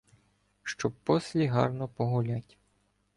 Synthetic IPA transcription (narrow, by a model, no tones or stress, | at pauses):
ʃt͡ʃɔb̚pɔsʲlʲiɦɑ̰rnɔpɔɦʊlʲatʲ